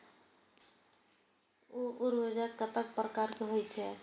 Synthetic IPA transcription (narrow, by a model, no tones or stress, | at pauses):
oʔuɾwed͡ʒəkːət̪ək̚pɾəkaɾkeɦojt͡ʃʰɛ